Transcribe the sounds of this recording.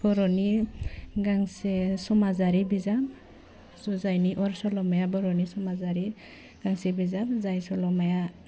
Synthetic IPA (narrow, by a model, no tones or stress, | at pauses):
b̥ɔɾɔni | ɡaŋsesɔmazaɾibizam | zɔzajniʔɔɾsɔlɔmajabɔɾɔnisɔmazaɾi | ɡ̥aŋsibizamzajsɔlɔmaja